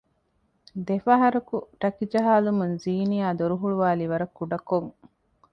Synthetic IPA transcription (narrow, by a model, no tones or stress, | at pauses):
d̪efɐɦɐɾɐkuʈɐkid͡ʒɐɦaːlumunziːnijaːd̪oɾuɦuɭuʋaːliʋɐɾɐkːuɖɐkoŋ